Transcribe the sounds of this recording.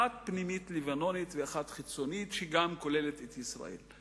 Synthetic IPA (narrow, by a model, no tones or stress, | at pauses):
at̪̚pnimit̪livano̞nit̪veaχat̪χit͡sonit̪ʃeɡamko̞lelet̪et̪jisʁa̰ḛl